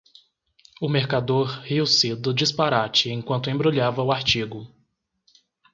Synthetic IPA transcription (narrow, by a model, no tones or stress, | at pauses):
ʊmeɾkad̪oɾhiwsɪd̪ʊd͡ʒispaɾat͡ʃɪẽkwɐ̃nt̪ʊẽbɾoʎavɐʊaɾt͡ʃiɡʊ